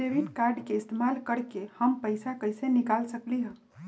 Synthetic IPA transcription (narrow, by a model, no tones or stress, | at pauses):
deʋiʈkaɾɖkeɪst̪emalkəɾkehəmpəɪsakəɪsenikalsəkliɦə̃